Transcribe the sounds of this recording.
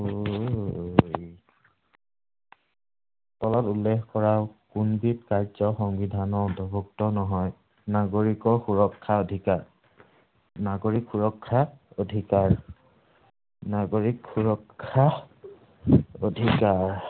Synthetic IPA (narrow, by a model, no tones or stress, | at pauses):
o | jj | tɔlɔtulːexkɔɹaʊkunbit̚kaɹzɔxɔŋbidʱanɔdʱɔbuk̚tɔnɔɦɔj | naɡoɹikɔɹxuɹɔkʰːaodʱikaɹ | naɡoɹikxuɹɔkʰːaodʱikaɹ | naɡoɹikxuɹɔkʰːa | odʱikaɹ